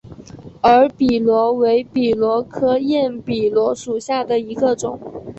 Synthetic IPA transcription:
ə˞˧˥pi˨˩lwɔ˧˥we˧˥ɪpi˨˩lwɔ˧˥kʰɤ˥jɛ˥˩npi˨˩lwɔ˧˥ʂu˨˩ɕja˥˩d̪ə˩i˧˥ɡə˧ʈ͡ʂʊ̰˨˩˦ŋ

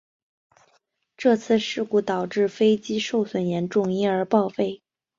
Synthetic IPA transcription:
ʈ͡ʂɤ˥˧t͡sʰɹ̩˥˧ʂɻ̩˥˧ku˥˩t̪ɑ˨˩ʊʈ͡ʂɻ̩˥˩fe˥ɪt͡ɕi˥ʂo˥˩ʊswə˨˩njɛ˧˥nʈ͡ʂʊ˥˩ŋi˧˥ə˞˧˥pɑ˥˧ʊfe˥˩ɪ

